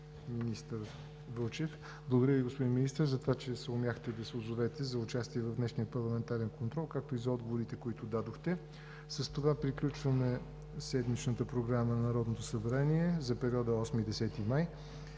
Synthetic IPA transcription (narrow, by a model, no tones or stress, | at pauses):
minist̪əɾ | vɤlˠt͡ʃɛf | blˠɡod̪ɾjəviɡospod̪inminist̪əɾzɐt̪ovat͡ʃɛsɛʊmʲjaxt̪ɛd̪ɐsʊzovɛt̪ɛzɐut͡ʃast̪iɛvɐvd̪nɛʃnijəpɐɾlˠɐmɛnt̪aɾɛnkont̪ɾɔlˠkak̚t̪oizɐɔd̪ɡovoɾit̪ɛkoit̪ʊd̪ad̪oxt̪ɛ | səst̪ovapɾiklʲut͡ʃvəmɛ | sɛd̪mit͡ʃnət̪əpɾoɡɾamənɐɾɔd̪not̪o̥səbɛɾaniɛzɐpɛɾiɔd̪əɔsmid̪ɛsɛt̪imaj